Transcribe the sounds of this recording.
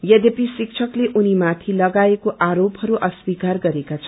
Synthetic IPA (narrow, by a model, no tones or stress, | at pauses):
jʌd̪episik̚t͡sʰʌkleʔunimat̪ʰilʌɡaekoʔaɾopɦʌɾuʔʌswikarɡʌɾekat͡sʰʌ